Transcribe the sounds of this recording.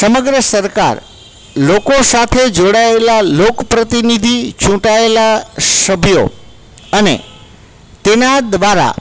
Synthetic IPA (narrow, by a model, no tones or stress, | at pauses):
səməɡɾəsəɾka̰ɾ | lokosat̪ʰed͡ʒoɽaelalokəpɾət̪inid̪ʱit͡ʃũʈaelasəbʱjo̰ | ənḛ | t̪enad̪ʋaɾa̰